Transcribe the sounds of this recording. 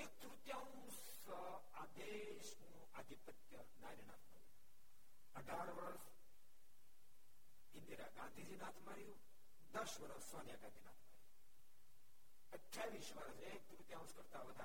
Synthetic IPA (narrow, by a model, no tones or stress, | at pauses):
eːk̚t̪ɾut̪jãːw̃ | s | aːd̪eː | ʃmũ | ad̪ʱipət̪jə | naːɾina̰ːt̪ʰma̰ːɾju | əɖʱaːɾʋɐɾs | ind̪iɾa̰ːɡãːnd̪ʱid͡ʒinaːt̪ʰmaɾju | d̪ɐʃʋɐɾəssʋaːnjaːɡãnd̪ʱina̰ːt̪ʰma̰ːɾiju | əʈʰjaːʋiːʃʋaɾəseːk̚t̪uɾut̪jãːũskɐɾt̪aːʋɐd̪ʱa